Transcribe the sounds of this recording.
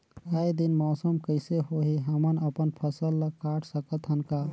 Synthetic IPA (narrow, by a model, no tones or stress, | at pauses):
əjd̪inmɔːsəmkəɪseɦoɦiɦəmənəpənpʰəsəlːəkaʈsəkət̪ɦənka